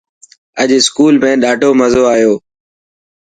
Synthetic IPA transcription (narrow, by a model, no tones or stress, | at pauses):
əʄɪskuːlmẽːɗaːɖʱoːməzoːaːijoː